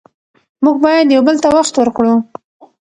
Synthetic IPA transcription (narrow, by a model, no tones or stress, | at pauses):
muɡbɑjad̪jawbəlt̪awaxt̪wəɾkɽu